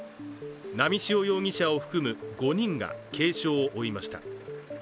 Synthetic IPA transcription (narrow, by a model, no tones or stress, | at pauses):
namʲiɕio̞jo̞ːŋ̟ʲiɕaoɸɯ̟̥kɯ̟mɯ̟ɡo̞ɲ̟ĩŋɡa̰kʰe̞ːɕo̞ːʔoimaɕi̥t̪a̰